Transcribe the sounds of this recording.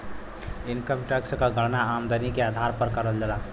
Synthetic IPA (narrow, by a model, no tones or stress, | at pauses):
inkəmʈəkskəɡʱəɽnaːmd̪ənikead̪ʱaɾpəɾkəɾəld͡ʒəla